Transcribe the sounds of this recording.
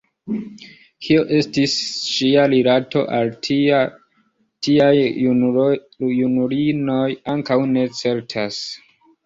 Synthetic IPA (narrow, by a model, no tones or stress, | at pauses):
kʰio̞ʔe̞stisʃialilatʰo̞̰ʔalt | tiaj | unuɾino̞jaŋkawne̞t͡se̞ɾtʰas